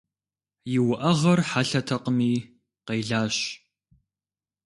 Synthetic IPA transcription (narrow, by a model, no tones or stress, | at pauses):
jɪwʊʔɐʁɐrħaɬɐtʰɐqəmiː | qejɮaːɕ